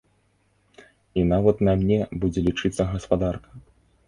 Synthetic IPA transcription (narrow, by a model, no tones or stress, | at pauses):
inavɐt̪nɐmnʲɛbud͡zʲɛlʲit͡ʂɨt̪sːɐɣɐspad̪arkɐ̥